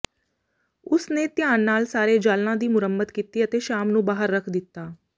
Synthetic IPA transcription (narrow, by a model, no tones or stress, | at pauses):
ʊsneːt̪ɪjaːnːaːlsaːɾeːd͡ʒaːlnãːd̪iːmʊɾəmːəd̪kiːt̪iːət̪eːʃaːmnũːbaːɦəɾːəkʰd̪ɪt̪ːaː